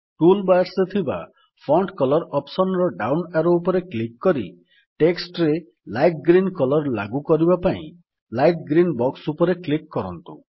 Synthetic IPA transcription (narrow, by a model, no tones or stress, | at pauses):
ʈulbajɾset̪ʰiba̰ | pʰɾɔɳʈkɔlɔɾɔpsɔnɾɔɖawnaɾoupɔɾeklikːɔɾḭ | ʈeksʈɔɾe | lajʈ̚ɡɾinkɔlɔɾla̰ɡukɔɾibapaḭ̃ | lajʈ̚ɡɾinbɔksupɔɾeklikːɔɾɔ̰nt̪ṵ